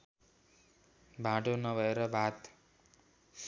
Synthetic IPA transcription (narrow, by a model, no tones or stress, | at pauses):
bʱaʈonʌbʱʌeɾʌbʱat̪